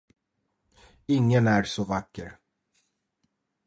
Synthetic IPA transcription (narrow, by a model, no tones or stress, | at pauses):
ɪŋːənæɾsɔvakːəɾ